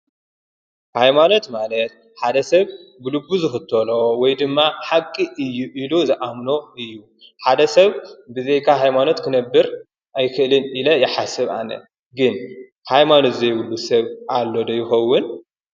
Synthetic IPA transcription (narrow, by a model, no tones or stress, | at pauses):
hajmano̞t̪malɐt̪̚ | ħad̪ɐsɐβbɨlubːuzɨxɨt̪ʰːɐlo̞wɔjd̪ɨmːaħakʼːiʔɨjːuʔiluzɨʔamno̞ɨjːu | ħad̪ɐsɐβbɨzejkʰaɦajmano̞t̪kʰɨnɐbːɨɾ | ʔajkʰɨʔlɨnilɐjɪħasɨβʔa̰nɐ̰ | ɡɨn | hajmanot̪zɐjβulːusɐβʔalːo̞d̪ɐjːɪxɐwːʊn